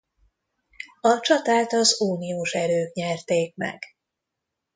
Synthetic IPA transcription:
ɒt͡ʃɒt̪aːt̪ɒzuːnioːʃɛɾøːkɲɛrt̪eːk̚mɛ̰ɡ̥

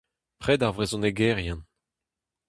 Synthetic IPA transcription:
pχɛd̪aʁvʁezɔ̃neɡɛʁjɛ̃n

